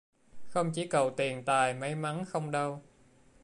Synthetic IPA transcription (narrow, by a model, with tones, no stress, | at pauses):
xə˧wŋ͡mt͡ɕi˧˩kə˨˩wt̪i˨˩ənt̪aː˨˩jmə˨˦jma˨˦nxə˧wŋ͡mɗə˧w